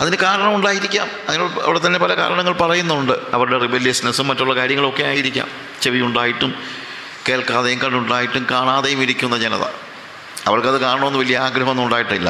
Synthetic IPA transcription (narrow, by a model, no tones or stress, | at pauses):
ɐ̰ðinɨkaːɾɐɳɐmuɳɖaːjiɾikʲːaːmɐðiuɐ̰ʋiɽet̪ːɐnːe̞pɐlɐka̰ːɾɐɳɐŋːɐɭpɐrɐjunːuuɳɖɨɐʋɐɾuɽe̞ribelːjɐsɐnɐsumːɐtːuɭːɐkaːɾjɐŋːɐɭo̞kːe̞jaːjiɾikʲːa̰ːm | t͡ɕe̞ʋijuɳɖaːjiʈːum | ke̞ːlkaːðejumkɐɳɖuɳɖaːjiʈːumkaːɳaːðejumiɾikʲːunːɐd͡ʑenɐ̰ðɐ̰ | ɐʋɐrkɐðɨkaːɳɐɳɐmenːɨʋɐlːijɐaːɡɾɐɦɐmonːmuɳɖaːjiʈːɐilːɐ̰